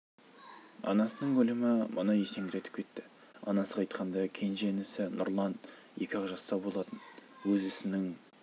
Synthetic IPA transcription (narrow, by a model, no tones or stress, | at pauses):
ɑ̰nɑsənəɴɡɵlɪmɪmə̰nɑjese̞ŋɡʲɪɾe̞t̪ɪp̚kʲʰe̞t̪ːɪ | ɑnɑsəqʰɑjt̪̚qʰɑnd̪ɑkʲʰe̞nʒenɪsɪnʊ̰ɾlˠɑn | je̞kʲɑʁʒɑsːɑbo̞lˠɑt̪ənwɵzɪsɪnɪŋ